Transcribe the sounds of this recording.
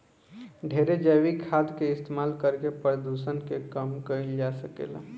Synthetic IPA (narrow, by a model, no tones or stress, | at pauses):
ɖʱeːɾed͡ʒəʋikʰad̪keɪst̪emaːlkəɾkepəɾd̪usənkekəmkəild͡ʒasəkḛːla̰